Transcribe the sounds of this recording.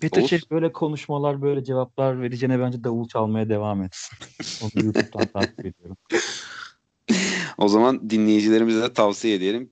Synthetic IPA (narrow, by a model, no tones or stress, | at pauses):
bit̪ʰyɾʃejbø̞jlʲɛkʰo̞nuʃmalˠaɾbø̞jlʲɛd͡ʒe̞vap̚lˠaɾveɾid͡ʒenɛbænd͡ʒɛd̪aulˠt͡ʃʰalˠmajad̪e̞vamet̪si̥no̞nujutup̚t̪ʰant̪ʰasied̪ijo̞ɾum | o̞zamand̪inlʲejid͡ʒilʲe̞ɾimizd̪ɛt̪ʰavsijed̪ieɾim